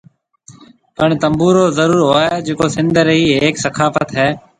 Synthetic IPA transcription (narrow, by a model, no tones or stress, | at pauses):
pəɳt̪əmbuːɾoːzəɾuːɾɦoːɦeːd͡ʒeːkoːsɪnd̪ʱəɾɦiːɦeːksəkʰaːfət̪ɦɛː